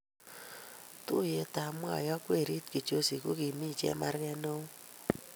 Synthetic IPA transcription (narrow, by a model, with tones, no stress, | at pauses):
tu˦je˦ta˨mwa̰˦˨jɔ˦kwe˦˨ɾi˦tki˨t͡ʃo˦si˨ko˦ki˨mi˦˨t͡ʃɛ̰˦ma˦ɾkɛ˦no˦